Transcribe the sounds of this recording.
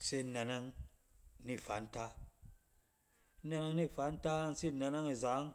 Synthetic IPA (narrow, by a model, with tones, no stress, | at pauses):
se˦˨˦na˨na˦ŋ | ni˦˨fa˨˦n̩˦ta˦ | na˧na˦ŋni˦˨fa˨˦n̩˦ta˦n̩˦si˦na˧na˦ŋi˨za˨˦ŋ